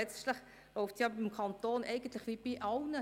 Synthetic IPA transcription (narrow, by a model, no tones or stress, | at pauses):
ɛt͡stlɪχ | loʊftjɑbɪmkʰɑnt̪oːnʔɛɪɡən̩tlɪχʋib̥iʔɑlnə